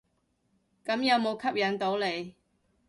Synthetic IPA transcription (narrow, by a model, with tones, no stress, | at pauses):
kɐ˨˧˥mjɐ˨˧wmo˨˧wkʰɐ˥p̚jɐ˨˥nt̪o˨˥wle˨˧j